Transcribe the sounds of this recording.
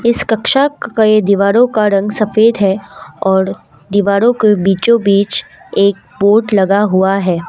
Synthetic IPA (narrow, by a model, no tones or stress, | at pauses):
ɪskɐkʃakajed̪iʋaːɾõkaɾɐ̃ŋɡsɐfeːd̪ɦɛɔːɾ | d̪iʋaːɾõkebiːt͡ʃõbiːt͡ʃeːk̚boːʈlɐɡaɦʊaɦɛː